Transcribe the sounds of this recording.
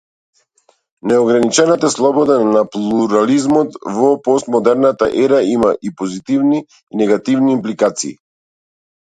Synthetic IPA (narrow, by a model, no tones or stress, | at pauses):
nɛɔɡɾanit͡ʃɛnat̪aslˠɔbɔd̪anaplˠuɾalizmɔt̪vɔpɔst̪mɔd̪ɛɾnat̪a̰ʔɛɾaimaʔipɔzit̪ivni | nɛɡat̪ivniːmplikat̪sḭː